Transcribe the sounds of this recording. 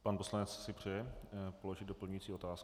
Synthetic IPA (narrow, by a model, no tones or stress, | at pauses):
paːnpo̞slanɛt͡ssɪpr̝̥ɛjɛpolo̞ʒɪd̪do̞pl̩ɲujit͡siːʔo̞t̪aːs